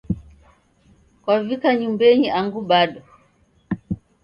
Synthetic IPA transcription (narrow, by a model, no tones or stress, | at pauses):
kwavikaɲumbɛɲiʔaŋɡuɓaɗɔ